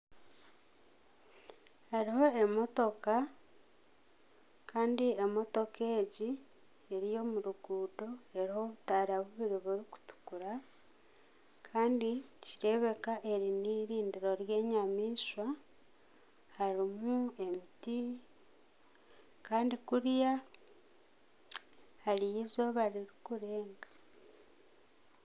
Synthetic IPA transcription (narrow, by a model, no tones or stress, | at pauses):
haɾiho̞emo̞to̞ka | kʰaːndiemo̞to̞ke̞ːɟi | eɾijo̞muɾuɡuːdoe̞ɾiho̞βutaːɾaβuβiɾiβuɾiku̥tu̥kuɾa | kʰaːndiciɾe̞βe̞kaʔe̞ɾiniɾiːndiɾo̞ɾje̞ːɲamiːʃwa | haɾimue̞miti | kaːndikuɾja | halijizoβaɾiɾikuɾe̞ːŋɡḁ